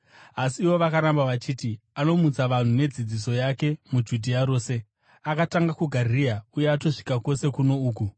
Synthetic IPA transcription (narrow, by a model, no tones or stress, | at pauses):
asiːwo̞ʋakaɾambaʋat͡ʃiːtiano̞mut͡saʋan̤une̞d͡zid͡ziso̞jake̞mud͡ʒudʱiaɾo̞ːse̞ | akataŋɡakuɡʱarijauje̞ato̞ʂi̥kako̞se̞kuno̞uːk̬u